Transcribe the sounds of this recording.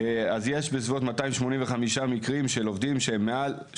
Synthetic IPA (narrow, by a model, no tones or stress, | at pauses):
azje̞ʃbezvot̪mataimʃmo̞niɱveχamiʃamikʁimʃe̞lovd̪imʃeemːeal